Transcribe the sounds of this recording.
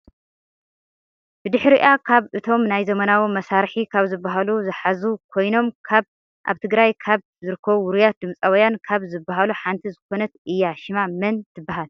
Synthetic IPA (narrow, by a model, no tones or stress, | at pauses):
b̥ɨd̪ɨħɾiʔakʰaβɨt̪ʰo̞mnajzɐmɐnawimɐsaɾħikʰaβzɨbːaɦaluzɨħazukʰo̞jno̞mkʰaβ | ʔa̰βt̪ʰɨɡɾajkʰaβ | zɨɾɨkʰːɐβuwʊɾijat̪̚d̪ɨmt͡sʼawɔjankʰaβzɨbːaɦaluħant̪ʰizɨko̞nɐt̪ʔɨjːaʃɪmamɐnt̪ʰɨbːaɦal